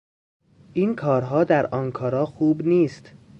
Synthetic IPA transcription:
ʔiːnkʰɒːɾɦɒːd̪æɾɒːnkʰɒːɾɒːxuːbniːst̪

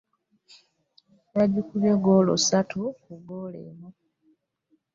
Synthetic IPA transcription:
jaɟikuβjeɡoːlo̰satʰukuɡoːlḛːmu

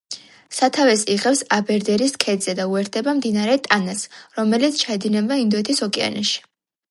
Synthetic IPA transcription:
sat̪ʰavɛsiʁɛpsabɛɾd̪ɛɾiskʰɛd̪zɛd̪auɛɾt̪̚d̪ɛbamd̪inaɾɛt̪ʼanasɾɔmɛlit̪sʰt͡ʃʰaɛd̪inɛb̪aind̪ɔɛt̪ʰisɔkʼɛa̰nɛʃi̥

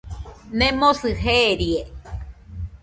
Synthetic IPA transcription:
nẽmosɨɦeːɾie

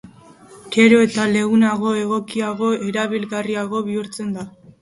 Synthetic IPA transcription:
ɡ̥e̞ɾo̞e̞t̪ale̞ɣunaɣ̞o̞e̞ɣo̞kiaɣo̞e̞ɾaβilɣariaɣo̞β̞iuɾt͡se̞nd̪a

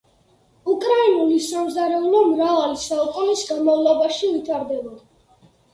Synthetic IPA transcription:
ukʼɾainulisamzaɾɛulɔmɾavalisaukʼunisɡamɔvlˠɔbaʃivit̪ʰaɾd̪ɛba

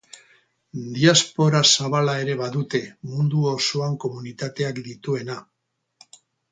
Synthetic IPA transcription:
d̪iaspo̞ɾasaβalae̞ɾe̞βaðut̪e̞mund̪uosoaŋko̞munit̪at̪e̞akd̪it̪ue̞na

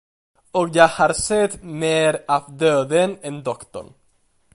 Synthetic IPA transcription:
ɔkjahaɾsɛt̪meːɾavd̪øːd̪ənɛnd̪ɔkt̪ɔ̰ɳ

